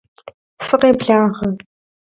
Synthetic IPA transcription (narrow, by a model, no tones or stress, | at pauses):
fɨqeːbɮaːʁɐ